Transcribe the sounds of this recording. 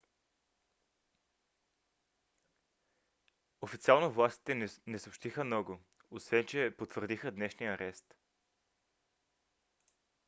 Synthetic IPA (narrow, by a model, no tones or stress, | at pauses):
ofit̪sialˠnovlˠast̪i̥t̪ɛnɛsoːpʃt̪ixəmnɔɡoosvɛnt͡ʃɛpot̪vəɾd̪ixəd̪nɛʃnijəːɾʔɛst̪